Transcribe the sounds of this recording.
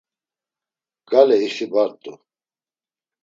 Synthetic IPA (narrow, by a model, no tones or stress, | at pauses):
ɡ̥alɛisibaɾt̪ʼṵ